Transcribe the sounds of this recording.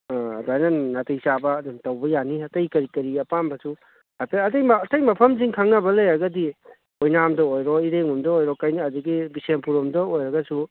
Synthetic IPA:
duajnanatɐjsabɐːdumtɐwbɐjaniɐtɐjkɐɾikɐɾiɐpanbɐsu | hajpʰeɐtɐjmɐːtɐjmɐpʰɐmziŋkʰaŋnɐbɐlɐjɾɐɡɐdi | ojnamdɐojɾɔiɾeŋumdɐojɾɔkɐjniɐduɡibisempuɾumdɐojɾɐɡɐsu

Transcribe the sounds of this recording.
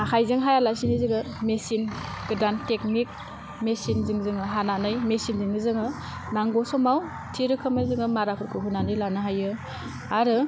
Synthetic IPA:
akʰajzɯŋɦajalasinizɯɡɯ | mesinɡ̥dantek̚nik̚ | mesinzɯŋzɯŋɯɦananɯjmesinzɯŋɯzɯŋɯ | naŋɡɔsɔmaw | tʰiɾɯkʰɯmɯzɯŋɯmaɾapʰɯɾkʰɯɦunanɯjlanɯɦajɯ | aɾɯ

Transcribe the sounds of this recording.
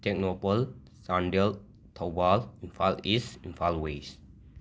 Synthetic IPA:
t̪ʰɛk̚nopəl | sãndəl | t̪ʰɔbalĩnfalisĩnfalwes

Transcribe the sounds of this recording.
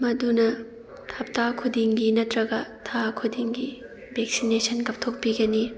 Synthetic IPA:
mɐdunɐ | tʰɐp̚takʰudiŋɡinɐtɾɐɡɐtʰakʰudiŋɡi | bʱek̚sinesʰɐnkɐp̚tʰok̚piɡɐni

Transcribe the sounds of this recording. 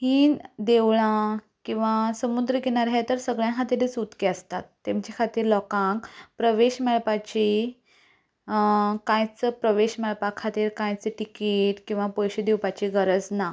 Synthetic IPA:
hiːnd̪eʋɭã | kĩw̃ʋasəmud̪ɾəɡeɽ̃aɾɦet̪əɾsəɡɭjãɦat̪ed̪et͡sut̪keəst̪at̪ːẽmt͡ɕakʰat̪iːɾlɔkãkpɾəʋeɕmɛɭpat͡ɕi | kãjt͡səpɾəʋeɕmɛɭpakʰat̪iːɾkãjt͡seʈikeʈkĩw̃ʋapɔjɕed̪ewpat͡ɕiɡəɾəd͡zna

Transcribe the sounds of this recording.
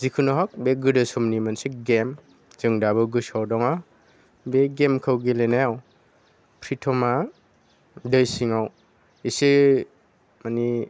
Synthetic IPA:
zikʰɯnɔɦɔk̚beɡɯdɯsumnimansiɡem | zɯŋdabɯɡɯsawdɔŋa | beɡemkʰɯwɡilenajaw | pʰɾitʰɔma | dɯjsiŋaw | isi | mani

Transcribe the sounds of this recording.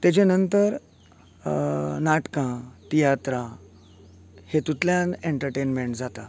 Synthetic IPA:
t̪jat͡ɕenənt̪əɾ | naʈkãt̪ijat̪ɾã | het̪ut̪ljãneɳʈəɾʈenmeɳʈd͡zat̪a

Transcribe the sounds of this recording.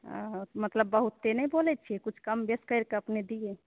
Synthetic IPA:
mɐt̪ləbːəɦʊt̪ːenɐɦĩboːlet̪̚t͡ʃʰekʊt͡ʃʰkɐmbeskəɾkɐpned̪ie

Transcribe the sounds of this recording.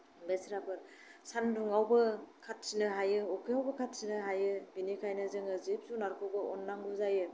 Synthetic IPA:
besɾapʰɯɾ | sanduŋawbɯkʰat̚sinɯɦajɯɔkʰeawbɐkʰat̚sinɯɦajɯbinikʰajnɯzɯŋɯzip̚sunaɾkʰoɡɯɔnːaŋbuzajɯ

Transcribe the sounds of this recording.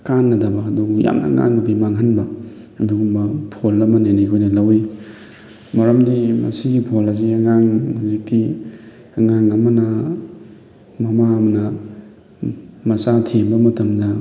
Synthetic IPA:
kanːɐdɐbakɐduja̰mnɐ̰ŋa̰ŋubimaŋɦɐnbɐ | miɡumbɐpʰolɐmɐnanikʰojnɐlɐwi | mɐɾɐmdimɐ̰siɡipʰolɐziɐŋaŋhuzik̚ti | ɐŋaŋɐmɐnɐ | mɐmaɐmɐnɐ | mɐsatʰembɐmɐtɐmdɐ

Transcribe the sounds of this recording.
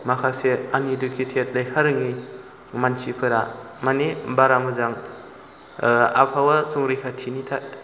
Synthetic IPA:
makʰaseanidukʰitʰet̚lajkʰaɾɯŋi | mansipʰɯɾa | manebaɾaŋɯzaŋ | a̰pʰawasuŋɾijkʰatʰinitʰat̚

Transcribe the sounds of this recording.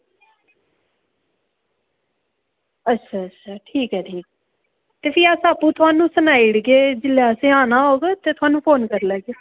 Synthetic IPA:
ətːʃʰaːətːʃʰaːʈʰiːkɦɛːʈʰiːkː | t̪eːpʰɪaːsaːpːũːt̪ʊaːnũːsənaːiɽɡeːd͡ʒɪlaːsẽːaːnaːɦoːɡet̪eːt̪ʊaːnũːpʰoːnkəɾləːɡeː

